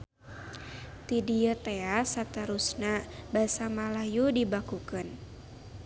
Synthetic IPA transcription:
t̪idiət̪easat̪əɾusnabasamalajudibakukɨn

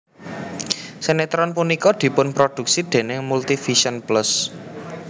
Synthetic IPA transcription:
senet̪ɾɔnpunikɔd̪̥i̤pʊnpɾod̪̥ṳk̚sid̪̥e̤nɪŋmult̪ifiʃɔnplʊs

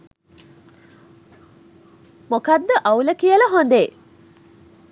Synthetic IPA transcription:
mokad̪ːəʔauləkijələɦond̪eː

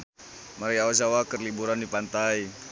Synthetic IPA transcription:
maɾiaozawakərlibuɾandipant̪aj

